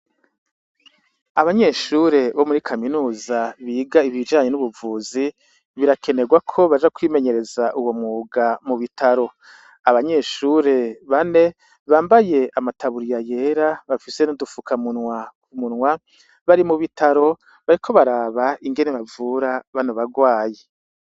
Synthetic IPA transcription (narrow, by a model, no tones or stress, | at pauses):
aβaɲe̞ːʃuɾe̞βo̞muɾikʰaminuːzaβiːɡaiβid͡ʒaːɲe̞nuβuvuːzi | βiɾakʰe̞ne̞ɡwakʰo̞βad͡ʒakwiːme̞ɲe̞ɾe̞zaʔuwo̞muːɡamuβitʰaɾo̞ | aβaɲe̞ːʃuɾe̞βane̞ | βaːmbaje̞amatʰaβuɾijaje̞ɾaβafise̞nudufukʰamuna | munŋwa | βaɾimuβitʰaɾo̞ | βaɾikʰo̞βaɾaːβaiŋɡe̞ne̞βavuɾaβanoβaɡwaːje